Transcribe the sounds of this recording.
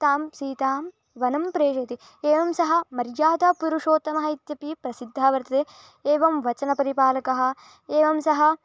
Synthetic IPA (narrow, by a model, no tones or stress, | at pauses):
t̪aːmsiːt̪aːm | ʋɐnɐmpɾeːʃɐt̪i | eːʋɐmsɐɦɐ̆mɐɾjaːd̪ɐpuɾuʂoːt̪ɐmɐɦɐit̪jɐpipɾɐsid̪ʱːaːʋɐɾt̪ɐt̪eː | eːʋɐmʋɐt͡ʃɐnɐpɐɾipaːlɐkɐɦɐ̆ | eːʋɐmsɐɦɐ̆